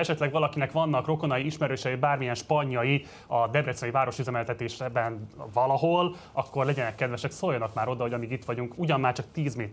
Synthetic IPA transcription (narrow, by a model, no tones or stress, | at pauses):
ɛʃɛt̪lɛɡʋɒlɒkinɛkʋɒnːɒkro̞ko̞nɒjiiʃmɛɾøːʃɛjibaːrmijɛnʃpɒɲːɒji | ɒd̪ɛbɾɛt̪sɒivaːɾo̞ʃyzɛmɛlt̪ɛt̪eːʃbɛnvɒlɒɦo̞l | ɒkːo̞rlɛɟɛnɛkːɛd̪ʋɛʃɛksoːljɒnɒkmaːɾo̞d̪ɒɦo̞ɟɒmiːɡit̪ʋɒɟuŋkuɟɒnmaːrt͡ʃɒk̚t̪iːzmeːt̪